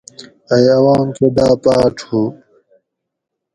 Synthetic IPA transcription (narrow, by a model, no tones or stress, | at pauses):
ɐjɐwaːmked̪aːpaːʈ͡ʂʰhu